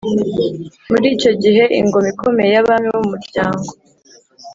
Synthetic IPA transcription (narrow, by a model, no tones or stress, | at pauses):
muɾiːt͡ʃo̞ɟiɦe̞ʔḭŋɡo̞mikʰo̞mejaβanhuwuumuɾɟaːŋɡo̞